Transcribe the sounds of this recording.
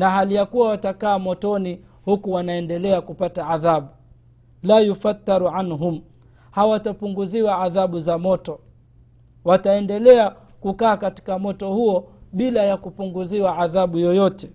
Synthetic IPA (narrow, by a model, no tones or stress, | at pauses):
naɦalijakuwawatakaːmɔtɔni | hukuwanaɛndɛlɛakupataːðaɓu | lajufat̪ːaɾuʕanɦum | hawatapuŋɡuziwaːðaɓuzamɔtɔ | wataɛndɛlɛa | kukaːkati̥kamɔtɔhuɔɓilajakupuŋɡuziwaaðaɓujɔjɔtɛ